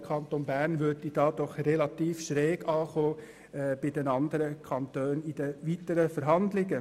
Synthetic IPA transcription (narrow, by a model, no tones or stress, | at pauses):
kʰɑntonbæːɾnʋøtid̥ɑːd̥ɔχrelɑt̪iːfʃɾɛːɡɑːχoː | b̥ɪdenɑnd̪əɾəkʰɑnt̪øːnɪd̥əʋiːtəɾəfəɾɦɑndlɪɡə